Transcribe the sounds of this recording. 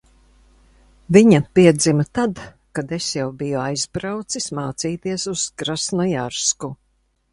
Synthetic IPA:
viɲapiɛd̪zimat̪ad̪ | kad̪esjawbijɔajzbɾawt̪sismaːt̪siːt̪iɛsuz̥ɡɾasnɔjaɾsku

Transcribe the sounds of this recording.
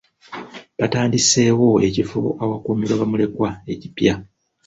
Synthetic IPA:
βataːndise̞ːwo̞e̞cifṵawakuːmiɾwaβamule̞kwae̞cipja

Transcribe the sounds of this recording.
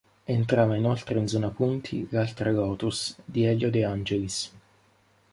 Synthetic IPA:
ent̪ɾaːvainolt̪ɾeinzɔːnapunt̪ʰḭlalt̪ɾalɔːt̪usd̪iɛlːod̪eand͡ʒelis

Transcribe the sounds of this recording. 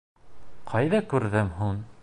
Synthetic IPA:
qʰɑjðɑkʉɾðɘmɦuɴ

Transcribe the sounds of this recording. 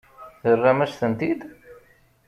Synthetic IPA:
θərːamæʃθənt̪id̪

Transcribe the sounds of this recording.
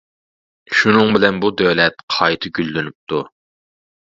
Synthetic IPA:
ʃunɨŋbɪlɛnbud̪øwlɛt̪̚qʰɑjt̪ʰɨɡʲylːynyp̚t̪ʰu

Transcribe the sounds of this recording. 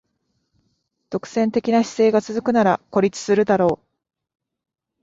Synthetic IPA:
t̪o̞kɯ̟̥sẽ̞nt̪e̞kʲinaɕi̥se̞ːɡat͡sɨzɨkɯ̟naɾako̞ɾʲit͡sɨ̥sɨɾɯ̟d̪aɾo̞ː

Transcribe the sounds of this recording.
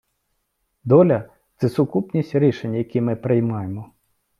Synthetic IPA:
d̪ɔlʲɐ | t̪sɛsʊkupnʲisʲtʲɾʲiʃenʲːɐjɐkʲimɪpɾɪjmɑjemɔ

